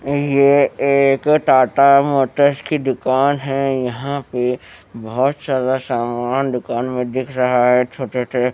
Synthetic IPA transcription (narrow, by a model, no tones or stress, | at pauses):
jeeːkt̪aːʈ̪amɔːt̪əskid̪ʊkaːnɦɛjɐɦãpe | bɐɦɔt̪zjaːd̪asaːmaːnd̪ʊkaːnmẽd̪ɪkʰɾɐɦaɦɛt͡ʃʰoːʈese